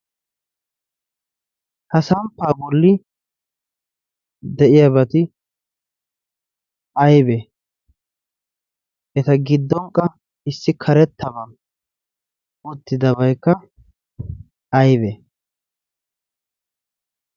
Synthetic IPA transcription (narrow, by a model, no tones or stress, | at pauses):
hɐsɐmpːaːbɔlːɪ | d̪ɛʔɪjɐbɐt̪ɪ | ʔɐjbɛ | ʔɛt̪ɐɡɪd̪ːɔŋkʼːɐ | ɪsːɪkʰɐɾɛt̪ːɐbɐ | ʊt̪ːɪd̪ɐbɐjkːɐ | ɐjbɛ